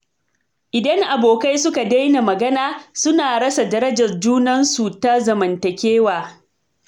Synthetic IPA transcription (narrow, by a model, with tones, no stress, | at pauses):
ʔɪ˨dɐ˦ŋʔa˨boː˨ka˦jsʊ˦ka˨da˦jna˨mɐ˨ɡɐ˦naː˦sʊ˦naː˨ɽɐ˦sa˨dɐ˦ɾɐ˦d͡ʒɐ˨rd͡ʒuː˦nɐ˦nsu˨ta˦zɐ˨mɐ˨ntɐ˨kʲeː˦waː˨